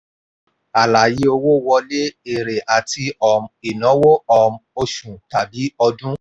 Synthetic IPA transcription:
a˨la˨ji˨˦o˧wo˦˨wɔ˧le˦e˨ɾe˨ʔa˨ti˧ɔ˨mi˨nɔ̃˨˦wo˦ɔ˨m˦o˧ʃũ˨ta˨bi˨˦ɔ˧dũ˦

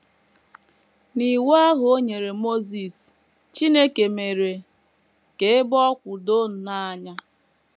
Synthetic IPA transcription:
ni˨wa˦a˦ɦʊ˨o˦ɲe˨ɾe˨mo˦zi˨s | t͡ʃi˦ne˦ke˨me˨ɾe˨ | ke˨ɪ˦bɔ˦kʷʊ˨do˦n̩˨na˦a˦ɲa˦

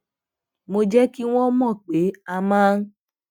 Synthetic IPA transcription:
mo˧d͡ʒɛ˦ki˦w̃ɔ̃˦mɔ̃˦˨k͡pe˨˦a˧mãː˦n̩˦

